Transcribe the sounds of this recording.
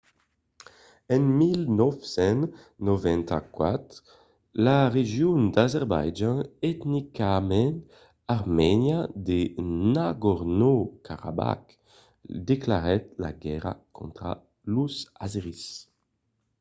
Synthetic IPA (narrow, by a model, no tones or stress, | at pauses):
ɛnmilnɔfsɛ̃n | novɛ̃nt̪akwat̪ | laʁeʒjund̪azɛʁba̰jd͡ʒãɛt̪nikamɛ̃nt̪ | aʁmɛnjad̪enaɡɔʁnokʰaʁa̰ba̰k | d̪eklaʁɛt̪̚la̰ɡɛʁa̰kõnt̪ɾa̰ | lusazʁis